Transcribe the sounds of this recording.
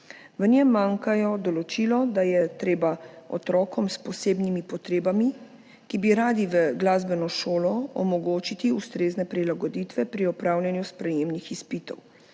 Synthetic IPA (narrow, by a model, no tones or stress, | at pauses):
ʋənjɛmːaːŋkajɔd̪ɔlɔt͡ʃiːlɔd̪ajɛt̪ɾeːbaɔ̰t̪ɾɔːkɔmspɔseːbnimipɔt̪ɾeːbami | kibiɾaːd̪iʋəɡlaːzbɛnɔʃoːlɔɔ̰mɔɡoːt͡ʃit̪iust̪ɾeːznɛpɾilaɡɔd̪iːt̪ʋɛpɾiɔpɾaːwlʲjɛnjuspɾɛjeːmnixispit̪ɔ̰w